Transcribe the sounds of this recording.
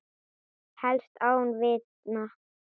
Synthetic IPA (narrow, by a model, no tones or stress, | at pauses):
hɛlst̪ʰawnvɪt | na